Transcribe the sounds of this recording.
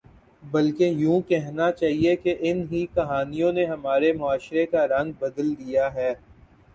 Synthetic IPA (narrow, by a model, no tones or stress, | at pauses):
bɐlkejũːkɛɦnat͡ʃaːɦiekeʔɪnɦikɐɦaːnijõneɦɐmaːɾemʊaːʃɾekaɾɐ̃ŋɡ̚bɐd̪əld̪ijaɦɛː